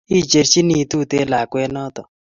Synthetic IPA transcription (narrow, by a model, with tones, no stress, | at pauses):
i˦t͡ʃe˨ɾt͡ʃi˦ni˨tu˦˨te˦la˨kwɛ˦nɔ˦t̪ɔ˨